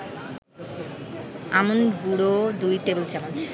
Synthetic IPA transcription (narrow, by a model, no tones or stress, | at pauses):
amonɡuɽod̪ujʈebelt͡ɕɛmant͡ɕʰ